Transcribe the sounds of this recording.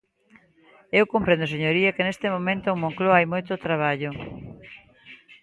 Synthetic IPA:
ewkompɾẽnd̪oseɲoɾiɐkenest̪emomẽnt̪oːŋmoŋkloajmojt̪ot̪ɾaβ̞aʎʊ

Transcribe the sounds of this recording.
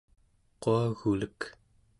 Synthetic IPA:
qoaɣulək

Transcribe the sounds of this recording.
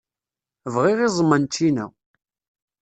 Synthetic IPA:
vʁɪʁizˤmːənt̪ːinæ̰

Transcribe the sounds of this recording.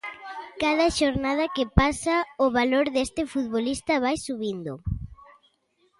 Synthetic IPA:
kaðɐʃoɾnað̞ɐkɪpasaʊβaloɾðest̪ɪfut̪βolist̪ɐβajsuβind̪ʊ

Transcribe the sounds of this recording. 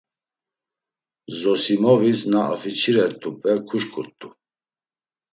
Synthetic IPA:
zɔsimɔvisnaa̰fit͡ʃʰiɾɛɾt̪ʼupʼɛkʰuʃkʼut̪ʼːu

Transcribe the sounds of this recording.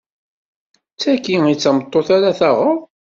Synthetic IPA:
t͡sːækːiit͡sːæmət̪ˤːoθaɾaθæʁəɾˤ

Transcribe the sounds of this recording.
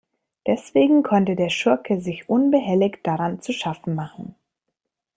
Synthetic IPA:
d̥ɛsv̥eːɡŋ̩kʰɔntədeːɐʃʊɐkʰəzɪçʔʊnbəɦɛlɪçtd̥aʁant͡suʃafn̩maχn̩

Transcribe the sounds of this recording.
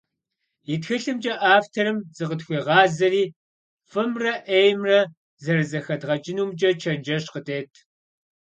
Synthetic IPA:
jitxɨɬɨmd͡ʒʼɐʔaːftʰɐɾɨmzɨqətxʷiːʁɑːzɐriː | fɨmrɐʔejmrɐ | zɐrɨzɐxɐdʁɐd͡ʒɪnuːmd͡ʒʼɐt͡ʃʰɐnd͡ʒɐɕqətʼeːtʰ

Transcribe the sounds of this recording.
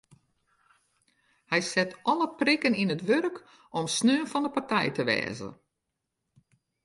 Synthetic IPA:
hɛjsɛtɔləprɪkəninətʋørk | ɔmsnøːnfɔndəpartɛjtəʋɛ̰ːzə̰

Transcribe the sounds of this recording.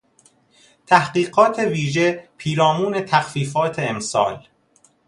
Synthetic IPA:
t̪ʰæhɢiːɢɒːt̪ʰe̞viːʒepʰiːɾɒːmuːnet̪ʰæxfiːfɒːt̪ʰe̞ːmsɒ̰ːl

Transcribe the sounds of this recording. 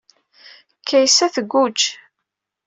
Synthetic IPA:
kʰːæjsæθəɡʷːut͡ʃː

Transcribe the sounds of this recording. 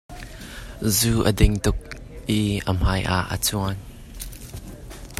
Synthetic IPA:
zuːʔədɪŋt̪ʊk̚ | ʔiʔəm̥ajʔa̰ʔə̰t͡suən

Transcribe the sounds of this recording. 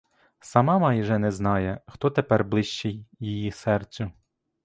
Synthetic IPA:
sɐmɑmɑjʒɛnɛznɑjɛxt̪ɔt̪epɛrblˠɪʃt͡ʃɪjːijisɛrt͡sʲʊ

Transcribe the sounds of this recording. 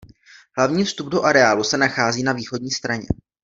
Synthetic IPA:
ɦlavɲiːfst̪ub̚do̞ʔaɾɛaːlusɛnaxaːziːnaviːxodɲiːst̪ɾaɲɛ̰

